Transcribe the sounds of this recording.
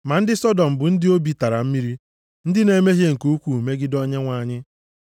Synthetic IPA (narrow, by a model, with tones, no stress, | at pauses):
ma˨n̩˦dɪ˦sɔ˦dɔ˨m̩˨bʊ˨n̩˦dɪ˦o˦bi˨ta˨ɾa̰˨m̩˦mi˦ɾi˦ | n̩˦dɪ˦ne˦me˦ɦje˦ŋ̩˨ku˦u˦kʷu˨me˦ɡɪ˦dɔ˦ɲe˦ŋʷa˨ɲɪ˦